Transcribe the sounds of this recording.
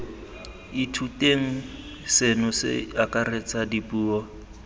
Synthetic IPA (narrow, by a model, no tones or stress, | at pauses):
itʰutʼeŋ̩ | sɪnʊsɪ̰akʼaret͡sʼadipuːɔ